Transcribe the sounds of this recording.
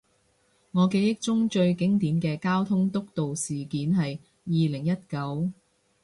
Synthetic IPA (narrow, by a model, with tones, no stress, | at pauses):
ŋɔː˨˧ke˨˧jɪ˥k̚t͡ʃʊ˥ŋt͡ʃɵ˧ɥkɪ˨˥ŋt̪iː˨˥mkɛː˧kaː˥wt̪ʰʊ˥ŋt̪ʊ˥k̚t̪o˨wsiː˨˩kiː˨˥nɦɐ˨jː | iː˨lɪ˨˩ŋjɐ˥t̚kɐ˨˥w